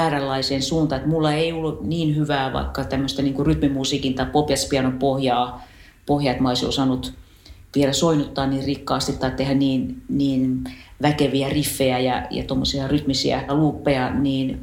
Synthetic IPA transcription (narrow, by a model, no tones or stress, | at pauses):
æːrælːɑiseːnsuːnt̪ɑet̪mulːɑeioluniːnhyʋæːʋɑ̰ikːɑt̪æmːøst̪æniːŋkuryt̪mimusiːkint̪ɑipopjɑspiɑnopohjɑː | pohjɑet̪mɑolisio̰sɑːnut̪ | ʋielæsoinut̪ːɑːnniːrrikːɑːst̪it̪t̪ːɑit̪t̪ehænniːnniːnʋækeʋiærifːeæjɑ̰jɑ̰t̪omːosiɑryt̪misḭæ̰kɑluːpːeɑniːn